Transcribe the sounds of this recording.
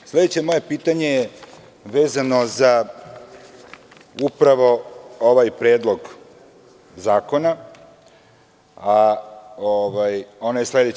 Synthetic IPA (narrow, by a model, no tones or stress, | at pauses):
sle̞d̪et͡ɕe̞mo̞je̞piːt̪aɲe̞je | ʋeːzano̞za | upɾaʋo̞oʋajpɾeːd̪lˠo̞ɡ | zaːko̞na | a | oʋajonajesle̞d̪e